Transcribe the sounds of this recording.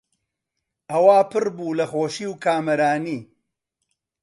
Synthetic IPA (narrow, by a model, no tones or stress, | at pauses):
ʔɐwaːpɨɾbuːlɐxoːʃiːwkaːmɐɾaːniː